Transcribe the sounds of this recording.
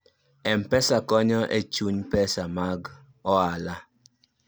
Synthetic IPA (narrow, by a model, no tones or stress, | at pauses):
ɛm̩pɛsakɔɲɔʔḛt͡ʃuɲpɛsamaɡ | ɔala